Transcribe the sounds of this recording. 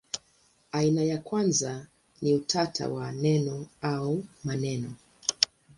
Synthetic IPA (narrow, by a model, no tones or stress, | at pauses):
ainajakwanza | niutʰatʰa̰wanɛnɔaumanɛnɔ